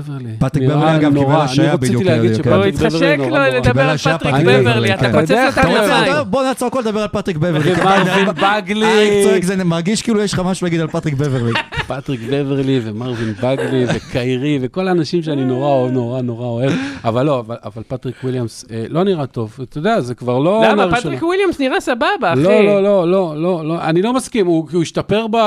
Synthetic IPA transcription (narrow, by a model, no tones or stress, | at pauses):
veʁlipat̪ʁibevliaɡamnkiʁbealanaiaʁobidijuileaɡit͡ʃuʃekk̪vʁlinolekibelaʃajaat̪ʁieveʁliatkanoeaaabonat͡soakoled̪abealpat̪ʁik̚beveʁlikamanibaɡliikt͡soʁekzenimaʁɡiʃkiːlujɛʃχamaʃulaɡid̪alpat̪ʁikbeveʁlipat̪ʁikbeveʁlivemaʁvinbaɡlivekʰajʁive̞ko̞laːnaʃimʃeanino̞ʁanoʁano̞ʁaoevavalːo̞avala̰valpat̪ʁikwiljamselo̞niʁat̪o̞vt̪od̪eazekvaʁlo̞naʁatʃikwiljamsniʁasababaololo̞lo̞loloa̰nilo̞maskimukiuiʃtape̞ʁba